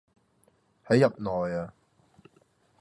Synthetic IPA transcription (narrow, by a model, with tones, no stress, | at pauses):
hɐ˨˥jːɐ˨p̚nɔː˨jaː˧